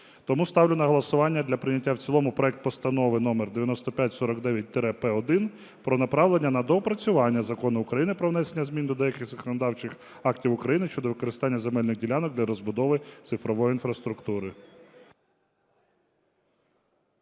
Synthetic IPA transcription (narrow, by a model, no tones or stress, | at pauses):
t̪ɔmust̪ɑwlʲɪnɐɦɔlˠɐsʊʋɑnʲːɐd̪lʲɐpɾɪnʲɐtʲːawt͡sʲilˠɔmʊpɾɔɛk̚t̪̚pɔst̪ɐnɔʋɪnɔmerd̪eʋʲjɐnɔst̪ɔpʲjatʲsɔɾɔkd̪ɛʋʲjɐt̚ʲt̪ɾɛpɛɔd̪ɪn | pɾɔnɐpɾɑʋlˠenʲːɐnɐd̪ɔpɾɐt͡sʲʊʋɑnʲːɐzɐkɔnʊʊkɾɐjinɪpɾɔʋn̪ɛsenʲːɐzmʲind̪ɔd̪ɛjɐkʲɪxzɐkɔnɐd̪ɑwt͡ʃɪx | ɑktʲiwʊkɾɐjinɪʃt͡ʃɔd̪ɔʋɪkɔɾɪst̪ɑnʲːɐzemɛlʲnɪɣdʲilʲanɔk̚d̪lʲɐɾɔzbʊd̪ɔʋɪt̪sɪfɾɔʋɔjiinfɾɐst̪ɾʊkt̪uɾɪ